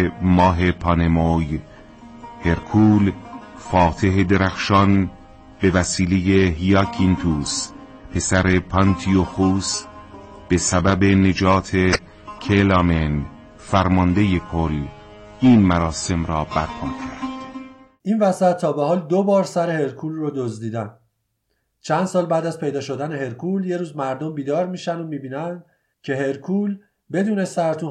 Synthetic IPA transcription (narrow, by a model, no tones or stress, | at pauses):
mɒːɦe̞pʰɒne̞moj | he̞ɾkʰuːl | fɒːt̪ʰe̞ɦed̪e̞ɾæxʃɒn | be̞væsiːle̞je̞ɦijɒkʰint̪ʰuːs | pʰe̞sæɾe̞pʰɒnt̪ʰioxuːs | b̥e̞sæbæbe̞ne̞d͡ʒɒːt̪ʰe | kʰelɑmen | fæɾmɒnd̪ejekʰol | ʔiːnmæɾɒːse̞mɾɒːbæɾpʰɒːmcʲʰæɾd̪̥ | ʔiːnvæsæt̪ʰːɒːbeɦɒːld̪obɒːɾsæɾehe̞ɾkʰuːlrod̪ozd̪iːd̪æn | t͡ʃʰænd̪sɒːlbæːd̪æzpʰe̞jd̪ɒːʃo̞d̪æneɦe̞ɾkʰuːlje̞ɾuːzmæɾd̪ombiːd̪ɒːɾmiːʃænomiːbiːnænd̪ | cʰe̞ɦe̞ɾkʰuːl | be̞d̪uːne̞sæɾt̪ʰu